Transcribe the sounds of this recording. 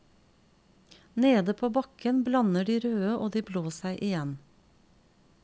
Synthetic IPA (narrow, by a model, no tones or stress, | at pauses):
neːd̪əpʰoːbɑkənblɑnəɖiːɾøːəʔoːd̪iːbloːsæɪʔɪjɛn